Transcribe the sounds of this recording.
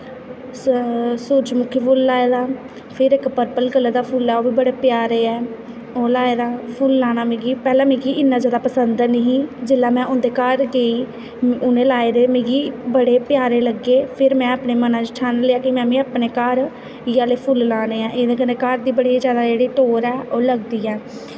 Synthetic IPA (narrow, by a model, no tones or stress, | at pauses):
suɾd͡ʒmʊkʰːipʰʊːlːaːeːd̪aː | pʰɪɾɪkpəɾpəlɡəlad̪aːpʰʊlɛːoːbiːbəɽeːpɪjaːɾeːɛː | oːlaːeːd̪aːpʰʊllaːñaːmẽːɡiːpɛːlãːmẽːɡiːɪnːãːzjaːd̪aːpəsənd̪nəɦĩːd͡ʒɪlːaːmɛ̃ːʔʊ̃nd̪eːkəɾɡeːiː | ʊnẽːlaːeːd̪eːmẽːɡiːbəɽeːpɪjaːɾeːləɡeːpʰɪɾmɛ̃ːaːpneːmənãːd͡ʒɪʈʰaːnleːaːkimɛ̃ːʋĩːaːpneːkəɾ | ɪjaːleːpʰʊllãːneːãːʔeːd̪eːkəneːkaɾd̪iːbəɽiːzjaːd̪aːd͡ʒeːɽiːʈoːɾɛːoːləɡd̪iːɛː